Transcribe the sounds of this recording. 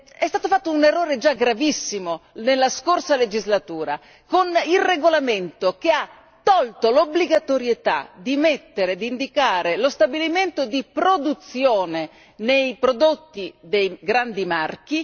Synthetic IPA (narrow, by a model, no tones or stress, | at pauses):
ɛst̪aːt̪ofat̪ːounerːoːɾed͡ʒaɡɾavisːimonelːaskorsaled͡ʒizlat̪uːɾa̰ | konilreɡolament̪ok̟ea | t̪ːɔlt̪olobliɡat̪oɾjet̪a̰d̪imet̪ːeɾed̪ind̪ikaːɾelost̪abiliment̪od̪ipɾod̪ut̪sːjoːne | nejpɾod̪ot̪ːid̪ejɡɾand̪imark̟i